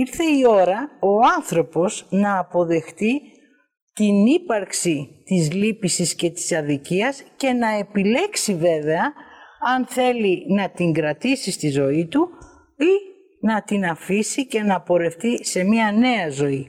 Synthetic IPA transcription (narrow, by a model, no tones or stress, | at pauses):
iɾθe̞io̞ɾɐo̞ɐnθɾo̞po̞znɐːpo̞ðe̞xt̪i | t̪inipɐɾksit̪izlipisisce̞t̪i̥sɐðiciɐsce̞nɐe̞pile̞ksive̞ve̞ɐɐnθe̞linɐt̪iŋɡɾɐt̪isist̪izo̞it̪u | i | nɐt̪inɐfisice̞nɐpo̞ɾe̞ft̪ise̞miɐne̞ɐzo̞i